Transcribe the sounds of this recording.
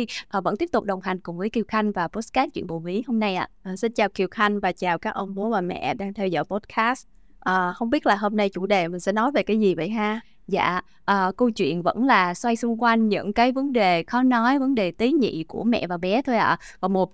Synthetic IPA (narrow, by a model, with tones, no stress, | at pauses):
ʔaː˨˩və̰˧˥nt̪i˦˥əp̚t̪ʊ˨˩k͡p̚ɗə˨˩wŋ͡mɦa˨˩jŋ̟kʊ˨˩ŋ͡mvəː˨˦jki˧˩wxa˧jŋ̟vaː˨˩po˦˥skaː˦˥t̚t͡ɕwḭ˧˨ənɓo˨˩vi˨˦ho˧mna˧jʔa̰ː˧˨ʔːsï˧nt͡ɕaː˨˩wki˨˩əwxa˧jŋ̟vaː˨˩t͡ɕaː˨˩wkaː˦˥k̚ʔə˧wŋ͡mmo˨˦vaː˨˩mɛ̰˧˨ɗaː˧ŋt̪ʰɛ˧wzɔ̰ː˧˨jpo˦˥t̚kaː˦˥st | ʔəː˨˩hə˧wŋ͡mɓi˦˥ət̚laː˨˩ɦo˧mna˧jt͡ɕu˧˩ɗe˨˩mï˨˩ŋ̟sɛ̰˧˥nɔ˨˦jve˨˩kaː˨˦jzi˨˩və̰˧˨jɦaː˧ | za̰ː˧˨ | ʔəː˨˩kə˧wt͡ɕwḭ˧˨ənvə̰˧˥nlaː˨˩swa˧jsʊ˧ŋ͡mkwa˧jŋ̟ɲɨ̰˧˥ŋkaː˨˦jvə˨˦nɗe˨˩xɔ˨˦nɔ˨˦jvə˨˦nɗe˨˩t̪i˨˦ɲḭ˧˨ku˧˩əmɛ̰˧˨vaː˨˩ɓɛ˨˦t̪ʰo˧jʔa̰ː˧˨ | vaː˨˩mo˨˩t̚